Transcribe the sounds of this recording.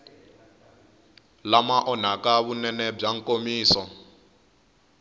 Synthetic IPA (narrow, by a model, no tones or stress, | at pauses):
lamaʔɔn̤akaβunɛnɛb͡ʐaŋ̩komiːsɔ